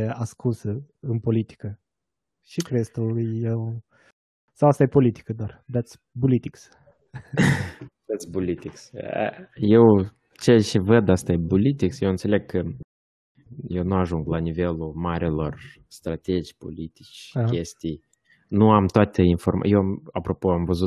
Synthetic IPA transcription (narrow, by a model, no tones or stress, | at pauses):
askʰunsəɨnpo̞lit̪i̥kə | ʃikɾest̪ujew | sawast̪ajepo̞lit̪i̥kəd̪oard̪at̪s | bulit̪iks | d̪at̪sbulit̪iks | jew | t͡ʃet͡ʃevəd̪ast̪aebulit̪iksjewɨnt̪se̞le̞ɡ̚kʰə | je̞wnuaʒuŋɡlanive̞lumaɾelo̞r | st̪ɾat̪ed͡ʒpo̞̰lit̪it͡ʃʲkʲe̞st̪ij | nuamt̪oat̪einfo̞rma̰jewamapɾo̞poamvəzu